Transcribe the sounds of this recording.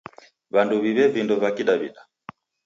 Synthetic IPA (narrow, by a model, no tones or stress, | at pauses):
βanduβiβɛvindɔvakiɗaβḭɗa